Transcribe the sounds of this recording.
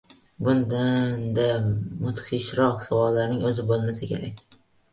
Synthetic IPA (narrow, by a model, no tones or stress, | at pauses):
bʊnd̪and̪amʊt̪χɪʃɾɒqsavɒlːaɾnɪŋɵzɪbolˠmasakʲʰe̞ɾak̚ʲ